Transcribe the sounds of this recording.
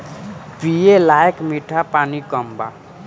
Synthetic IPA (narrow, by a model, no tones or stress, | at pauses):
pɾijelaekmiʈʰapanikʌmba̰